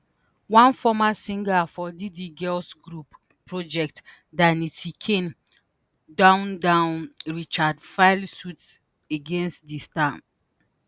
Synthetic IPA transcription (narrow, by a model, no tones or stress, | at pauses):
wãnfɔmasĩŋɡafɔdidiɡɛlsɡɹupː | ɹɔd͡ʒɛk̚t | danitikʰẽn | dãʊ̃ndãʊ̃nɹit͡ʃadfaɪlsuts | eɡẽnstdistãm